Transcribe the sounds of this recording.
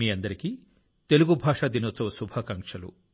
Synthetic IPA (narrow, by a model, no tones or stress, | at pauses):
iɐnd̪ɐɾeki | t̪eluɡubʱaʃad̪inɔt͡sɔwsubʱakaŋʃɐlṵ